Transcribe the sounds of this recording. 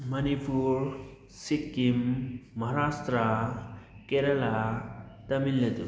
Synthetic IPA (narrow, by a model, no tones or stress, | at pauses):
mɐnipuɾ | sikːimːɐɦɾast̪ɾa | keɾɐlat̪ɐmillet̪u